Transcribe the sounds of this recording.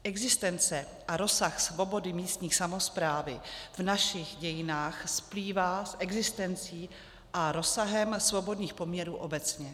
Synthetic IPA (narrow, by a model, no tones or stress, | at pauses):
ʔɛɡzɪst̪ɛnt͡sɛ | ʔaɾo̞saxsvo̞bo̞dɪmiːst̪ɲiːxsamospɾaːvɪvnaʃɪxɟɛjɪnaːxspliːvaːsʔɛɡzɪst̪ɛnt͡siː | ʔaɾo̞saɦɛmsvo̞bo̞dɲiːxpo̞mɲɛɾuːʔo̞bɛt͡sɲɛ